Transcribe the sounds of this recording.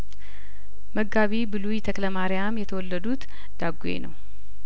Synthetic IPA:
məɡːaβibɨlujt̪ʰəkləmaɾɪjamjɛt̪ʰəwɔlːəd̪ut̪ | d̪̥aɡḛnəw

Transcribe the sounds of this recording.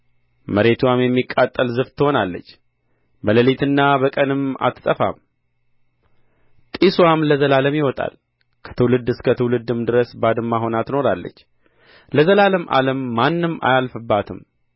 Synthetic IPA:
məɾe̞t̪ʰuwamjɛmːikʼːat̪ʼːəlzɨft̪ʰːɨho̞nalːə̰t͡ʃː | bələlit̪ʰɨnːabəkʼənɨma̰t̪ɨ̥t̪ʼəfa̰m | t̪ʼiswamləzəlaləmjɪwɔt̪ʼa̰l | kʰə̥t̪ʰɨwlɨd̪ɨskʰət̪ʰɨwlɨd̪ɨmd̪ɨɾəsbad̪ɨmːaɦo̞nat̪noɾalːə̰t͡ʃː | ləzəlaləmʔa̰ləmːanːɨmːa̰jalfɨbːat̪ʰɨm

